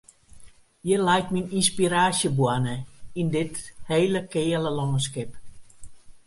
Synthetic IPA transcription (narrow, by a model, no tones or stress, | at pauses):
jəlɛjtmininspiɾaːsjəbwanəindɪtheːləkɪːələlɔŋəskɪp